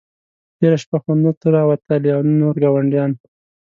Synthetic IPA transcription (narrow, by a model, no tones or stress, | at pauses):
ʈeɾaʃpaxand̪ot̪uɾɑwat̪əliawnoɾɡɑwaɳɖjɑn